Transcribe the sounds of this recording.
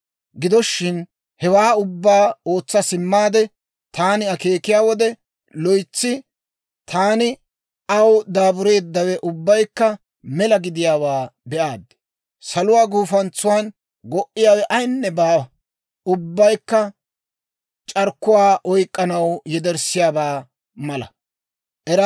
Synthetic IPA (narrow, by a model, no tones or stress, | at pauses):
ɡɪd̪ɔʃːɪn | hɛwaːʊbːaːo̞ːt͡sːɐsɪmːaːd̪ɛ | t̪aːnɪɐkeːkɪjaːwɔd̪ɛ | lɔjt͡sːɪ | t̪ʰaːnɪ | ɐwd̪aːbʊɾe̞ːd̪ːɐwɛʔʊbːɐjkːɐ | mɛlɐɡɪd̪ɪjaːwaːbɛʔaːd̪ːɛ̥ | sɐlʊwaːɡuːfɐnt͡sːʊwan | ɡɔʔɪjaːwɛʔɐjnːɛbaː | ʊbːɐjkːɐ | t͡ʃʼɐɾkːʊwaːʔɔjkʼːɐnɐwjɛd̪ɛɾsɪjaːbaː | mɐlɐ̰ | ʔɛɾɐ